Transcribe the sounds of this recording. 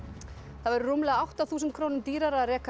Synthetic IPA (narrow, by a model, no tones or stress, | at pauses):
θavɛɾʏrumlɛɣaawht̪aθuːsʏnt̪̚kʰɾoːwnʏmt̪iːɾaɾaarɛːka